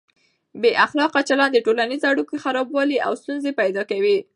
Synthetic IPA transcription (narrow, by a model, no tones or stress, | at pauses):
beʔaxlɑqat͡ʃalɑnd̪eʈolanizaɽukexaɾɑbwɑlia̰wst̪unzepajd̪ɑkawi